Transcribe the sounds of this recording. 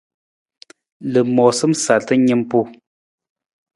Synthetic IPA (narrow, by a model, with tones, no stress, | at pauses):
lə˨mɔ˨sɨ˦msa˨tə˦ɲɨ˦mpu˦